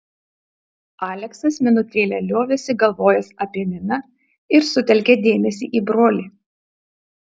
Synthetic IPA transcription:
ɑːlʲɛksɐsmʲɪnʊt̪ʲeːlʲɛlʲoːʋʲesʲɪɡɐlˠʋoːjɛsɐpʲiɛmʲɪnɐ | ɪɾsʊt̪ʲɛlʲkʲed̪ʲeːmʲɛsʲḭːʔiːbɾoːlʲiː

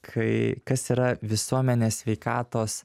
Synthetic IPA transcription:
kʰɐɪkɐsiːɾɐʋʲɪsuɔmʲɛnʲeːsʲʋʲɛɪkɑːt̪oːs

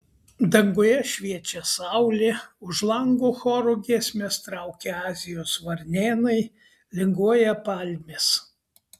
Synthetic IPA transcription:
d̪ɐŋɡʊjɛʃʲʋʲiɛt͡ʃʲɛsɑʊlʲeːʊʒlˠɐŋɡuːxɔːɾʊɡʲiɛsʲmʲɛst̪ɾɑʊkʲeɑːzʲɪjoːsʋɐɾʲnʲeːnɐɪ | lʲɪŋɡuɔjɛpɑlʲmʲes

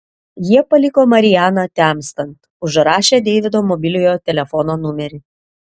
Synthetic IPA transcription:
jiɛpɐlʲɪkoːmɐɾʲɪjæːnɐt̪ʲæmʲst̪ɐnt̪ | ʊʒɾɑːʃʲeːd̪ʲɛɪʋʲɪd̪oːmɔbʲɪlʲʊjoːt̪ʲɛlʲɛfɔnoːnʊmʲɛɾʲɪ

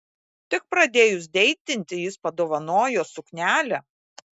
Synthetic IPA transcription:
t̪ʲɪk̚pɾɐd̪ʲeːjʊs̬d̪ʲɛɪt̪ʲɪnʲt̪ʲɪjɪspɐd̪oːʋɐnoːjoːsʊknʲæːlʲɛ

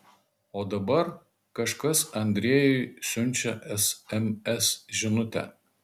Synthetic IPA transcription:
oːd̪ɐbɐɾ | kɐʃkɐsɐnʲd̪ʲɾʲiɛjɛɪsʲʊnʲˑt͡ʃʲɛʔɛsɛmʲɛsʒʲɪnʊt̪ʲɛ̰

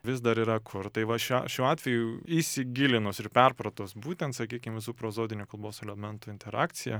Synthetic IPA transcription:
ʋʲɪsd̪ɐɾiːɾɐkʰʊɾt̪ɐɪʋɐʃʲʃʲuːɑːt̪ʲʋʲɛjuːisʲɪɡʲɪlʲɪnoːsɪɾpʲɛrpɾɐt̪oːsbuːt̪ʲɛnt̪sɐkʲiːkʲɪmʋʲɪsuːpɾoːzoːd̪ʲɪnʲuːkɐlˠboːsɛlʲɛmʲɛnt̪ʊːɪnt̪ʲɛɾɑ̰ːkt̪sʲɪjɛ

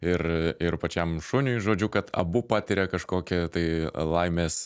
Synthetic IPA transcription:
ɪɾɪrpɐt͡ʃʲɛmʃʊnʲʊjʒoːd͡ʒʲʊkɐt̪ɐ̰bʊpɑːt̪ʲɪɾʲɛkɐʃkoːkʲɛt̪ɐɪlˠɐɪmʲeːs

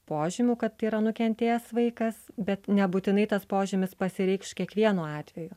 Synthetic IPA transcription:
poːʒʲɪmʲuːkɐt̪iːɾɐnʊkʲɛnʲt̪ʲeːjɛsʋɐɪkɐsbʲɛt̪nʲɛbuːt̪ʲɪnɐɪt̪ɐspoːʒʲɪmʲɪspɐsʲɪɾʲɛɪkskʲiɛkʋʲiɛnuːɑːt̪ʲʋʲɛju

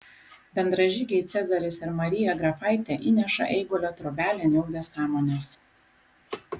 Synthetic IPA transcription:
bʲɛnd̪ɾɐʒʲɪɡʲɛɪt̪sʲɛzɐɾʲɪsɪɾmɐɾʲɪjɛɡɾɐfɐɪt̪ʲɛʔiːnʲɛʃɐ̰ʔɛɪɡolʲoːt̪ɾɔbʲæːlʲɛnʲɛʊʋʲeːsɑːmoːnʲeːs

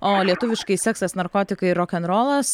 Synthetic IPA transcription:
oːlʲiɛt̪ʊʋʲɪʃkɐɪsʲɛːksɐsnɐɾkoːt̪ʲɪkɐɪɾoːkʲɛnɾoːlˠɐs

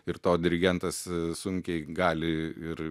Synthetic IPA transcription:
ɪɾt̪oːd̪ʲɪɾʲɪɡʲɛnt̪ɐssʊŋʲkʲɛɪɡɑːlʲɪɪɾ

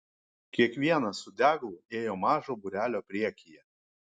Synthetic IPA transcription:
kʲiɛkʋʲiɛnɐsʊd̪ʲæːɡlˠʊeːjoːmɑːʒoːbʊɾʲæːlʲoːpʲɾʲiɛkʲijɛ

